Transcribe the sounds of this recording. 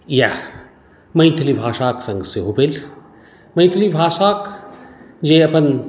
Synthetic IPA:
ja | mɐjt̪ʰlibʱaːʂaːksɐ̃ŋɡseɦobel | mɐjt̪ʰlibʱaːʃaːk | d͡ʒeːɐpən

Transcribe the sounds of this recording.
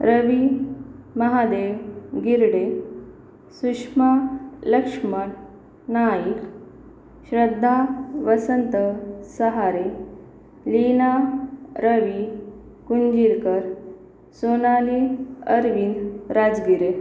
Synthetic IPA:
ɾəʋi | mɐɦad̪eʋɡiɾɽe | suʂmaləkʂməʈ | najik | ɕɾəd̪ʱːaʋəsənt̪əsəɦaɾe | linaɾəʋikuɲd͡ʑiɾkəɾ | sonaliəɾʋinɾad͡zɡiɾe

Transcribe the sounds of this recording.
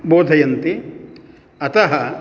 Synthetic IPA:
boːd̪ʱɐjɐnt̪i | ɐt̪ɐɦɐ

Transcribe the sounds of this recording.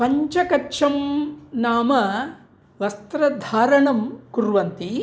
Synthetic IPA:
pɐɲt͡ʃɐkɐːt͡ʃʰɐmnaːmɐ | ʋɐst̪ɾɐd̪ʱaːɾɐɳɐmkuɾʋɐnt̪i

